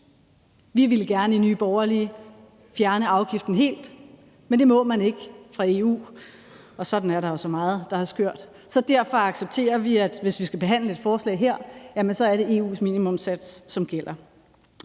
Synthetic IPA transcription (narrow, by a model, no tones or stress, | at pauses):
ʋiʋe̝lɡ̥æɐnəinyːb̥ɒʊɐli | fjæɐnəɑ̈ʊɡ̥ifd̥n̩ɦe̝̰ːld̥ | mend̥e̝mɔ̽mæne̝ɡ̥əfʁɑ̈e̝ːṵː | ɒ̽sɒ̽d̥n̩æɐɾɑ̈jo̝sɒ̽mɑ̈ːð̩ˠd̥ɑ̈hɑsɡ̥øɐ̰d̥ | sɒ̽d̥æɐ̰fɑɑ̈ɡ̥seb̥̚t͡sʰe̝̰ːɐʋiæd̥ʋe̝sʋisɡ̥æb̥e̝ɦæn̰ləe̝d̥fɒːslɛ̰ɪɦeɐ̰jæmensɒ̽æɐɾe̝ʔe̝ːṵːsmiːnimɔ̽msæd̥sːɒ̽mɡ̥el̰ɐ